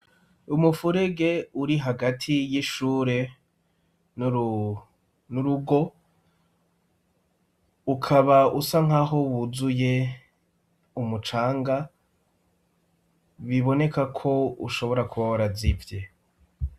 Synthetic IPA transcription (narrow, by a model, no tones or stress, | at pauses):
umufuɾe̞ɡe̞uɾiɦaɡatʰijiʃuːɾe̞ | n | nuɾuɡo̞ | ukʰaβausaŋ̥aːɦowuzuje̞ | umut͡ʃaːŋɡa | βiβo̞ne̞kakʰo̞ṵʃo̞βo̞ɾakuβawaɾazivje